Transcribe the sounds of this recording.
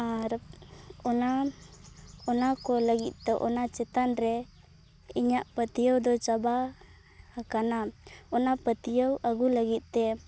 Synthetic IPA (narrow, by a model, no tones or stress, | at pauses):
aɾ | ɔna | ɔnakɔləɡit̪̚t̪ɔʔɔnat͡ʃɛt̪anɾɛ | iɲaʔpət̪ijəwd̪ɔt͡ʃaba | hakanaɔnapət̪ijəwaɡuləɡit̪̚ˀt̪ɛ